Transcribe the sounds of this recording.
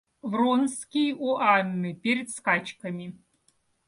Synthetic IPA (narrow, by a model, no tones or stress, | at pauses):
vronskʲijuʔanːɨpʲeɾʲɛd̪skat͡ʃkɐmʲi